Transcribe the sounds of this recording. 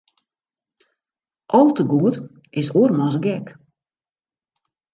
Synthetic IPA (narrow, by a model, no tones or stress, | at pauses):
ʔɔlˠtəɡuət | ɪsoərmɔsɡɛk